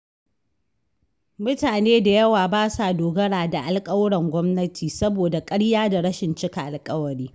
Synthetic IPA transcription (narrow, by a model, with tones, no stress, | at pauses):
mʊ˦taː˨neː˦da˨jɐ˦waː˨baː˦sa˨doː˨ɡɐ˦ɽaː˨da˨ʔa˨lkʼɐ˦wɽɛ˨ŋɡʷɔ˦mnɐ˦tʰiː˨sɐ˦boː˨da˨kʼɐ˦ɽjaː˦da˨ɽɐ˦ʃɪ˨nt͡ʃɪ˦ka˨ʔa˨lkʼɐ˦wɐ˨ɽiː˦